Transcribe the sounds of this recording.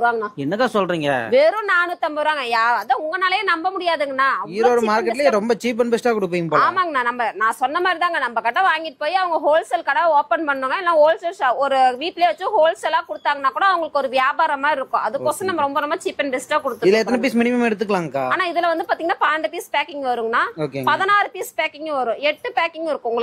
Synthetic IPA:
ɾɯʋaːɡɐnːaːɛnːɐkːaːsɔlɾiːŋɡɐ̰ʋeːɾɯ̃naːɳɯt̪ːɐmbɐɾaːŋɡɐjaːɐðaːʊŋɡɐnaːlɐjẽnɐmbɐmʊɽɪjaːðɯŋɡɐnːaːɐʋɐiɡɾoːɽɐmaːɾkkɛʈːɪlɾɔmbɐt͡ʃiːp̬ɛnbɛsʈaːkɔɽɯp̬ːoːjɡpoːmaːŋɡɐnaːnɐmbɐnãːsɔnːɐmaːd̪ɾit̪aːŋɡɐnɐmbɐkɐʈːɐ̃ʋaːŋɡɪʈːɯ̥poːjiɐʋɐŋɡɐɦoːlsɛlkɐɽɐoːpɛnpɐɳːɯ̃ːŋɡɐɛlːãːɦoːlsɛsɔɾɯʋiːʈːɪleːʋɐt͡ʃːʊ̃ɦoːlsɛlaːkɔɽɯt̪ːaːŋɡɐnːaːkːuːɽɐɐʋɐŋɡɐɭɯkːɔɾɯʋɪjaːbaːɾɐmaːɪɾɯkːʊ̃ʔɐðɯkːoːsɐ̃nɐmbɐɾɔmbɐnɐmːbat͡ʃiːpɛnbɛsʈaːkɔɽɯt̪ːɯɪðɪlːɐɛt̪ːɐnɯp̬iːsmɪnɪmɐmɛɽɯt̪ːɯkːɐlaːŋɡɐka̰ːaːnaːɪðɐlʋɐnd̪ɯpaːɾt̪iŋɡɐnːaːpaːɐɳɖɯpiːspaːkːɪŋɡʋɐɾɯːŋɡɐnːaːoːkḛɡpɐðɐnaːɾɯpiːspaːkɪŋɡʋɐɾʊ̃ɛʈːɯpaːkɪŋɡɪɾɯkːʊ̃ʊŋɡɐɭ

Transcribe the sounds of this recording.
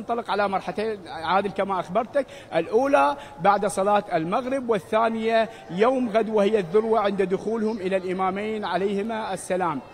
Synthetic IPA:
nt̪ˤɑlɪqʕalamɑɾˤħat̪eːnʕaːd̪ɪlkamaʔaxbɑɾˤt̪ak | ʔɪlʔuːla | baʕd̪sˤɑlɑːt̪ɪlmaɣɾɪbwɪθːaːnɪja | joːmɣad̪wahɪjːaðːʊɾwaʕɪnd̪ad̪ʊxuːlhʊmʔɪlalʔɪmaːmeːnʕalajhɪmaʔasːalaːm

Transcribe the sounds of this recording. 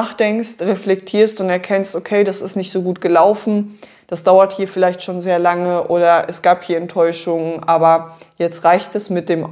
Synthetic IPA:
aːχd̥ɛŋkstʁɛflɛk̚tʰiːɐstʊntɛɐkʰɛnstokʰeɪdasɪstnɪçtz̥oːɡuːt̚ɡ̥əlaʊfn̩ | d̥asd̥aʊɐthiːɐfɪlaɪçtʃoːnzeːɐlaŋəʔoːɾɐʔɛsɡ̥aːphiːɐɛntʰɔʏʃʊŋnʔaːbɐjɛt͡stʁaɪçtɛsmɪt̚d̥eːm

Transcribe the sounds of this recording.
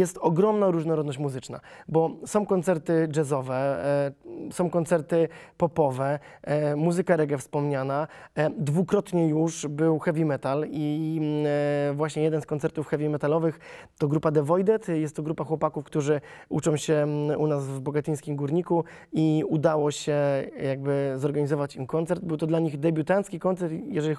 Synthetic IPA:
jɛst̪ɔɡɾɔmnaɾuʐnɔɾɔd̪nɔɕt͡ɕʲmuzɘt͡ʂna̰bɔsɔ̃w̃kɔnt̪sɛɾt̪ɘd͡ʐɛzɔvɛ | sɔ̃w̃kɔnt̪sɛɾt̪ɘpɔpɔvɛ | muzɘkaɾɛɡɛfspɔmɲanad̪vukɾɔt̪ɲɛjuʂbɘwxɛvʲimɛt̪ali | vwaɕɲɛjɛd̪ɛnskɔnt̪sɛɾt̪ufxɛvʲimɛt̪alɔvɘxt̪ɔɡɾupad̪ɛvɔjd̪ɛt̪jɛst̪ːɔɡɾupaxwɔpakufkt̪uʐɘut͡ʂɔ̃w̃ɕɛunazvbɔɡat̪ɘj̃skʲimɡuɾɲiku | iud̪awɔɕɛjaɡ̚bɘzɔɾɡaɲizɔvat͡ɕimkɔnt̪sɛɾd̪̚bɘwt̪ɔd̪laɲiɣd̪ɛbʲut̪ant̪skʲikɔnt̪sɛɾt̪jɛʐɛlʲi

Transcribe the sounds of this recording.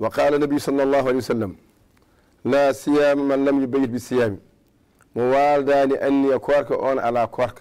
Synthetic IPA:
wɐqaːlanːɐbijusɑlːɑlːɑːɦualeːjwasalːam | laːsijaːmmanlːɐmjibajt̚bisijaːmi | mɔwaːldaːniʔanːiɐkʰɔːɾkɐʔɔːnaalaːkʰɔːɾkḁ

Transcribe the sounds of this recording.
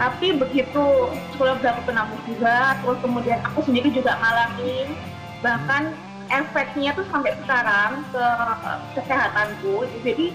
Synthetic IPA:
t̪apibəɡit̪usəkolabəlak̪upənabʊsd͡ʒuɡat̪əɾʊskəmudianakusəndiɾid͡ʒuɡaʔŋalamɪn | bahkan | ʔɛfɛt̪̚ɲat̪ʊsampajsəkaɾaŋkəkəsaɦat̪ant̪uiud͡ʒadi

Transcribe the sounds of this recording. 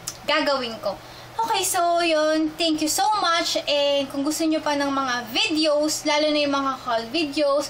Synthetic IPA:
ɡaɡɐwɪnko | ʔoːkɛjsojont̪ɛŋkjusowmɐt͡ʃʔɛnd̪̚kʊŋɡʊst̪oɲopɐnɐŋmɐŋavid̪ɛowslaːlonɐjʊŋmɐŋakolvid̪eows

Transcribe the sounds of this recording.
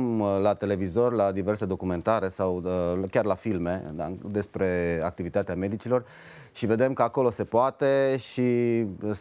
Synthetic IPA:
lat̪e̞le̞vizo̞rʲlad̪ive̞rse̞d̪o̞kume̞nt̪aɾe̞sawkʲarlafilme̞a̰d̪e̞spɾe̞ak̚t̪ivit̪at̪eame̞d̪it͡ʃilo̞r | ʃive̞d̪e̞mkəako̞lo̞se̞poat̪e̞ʃi

